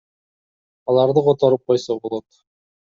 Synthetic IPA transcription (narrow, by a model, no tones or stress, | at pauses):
ɒlˠɑɾd̪ɤqɑt̪ɑɾɤp̚qɑjsɑbulˠɑt̪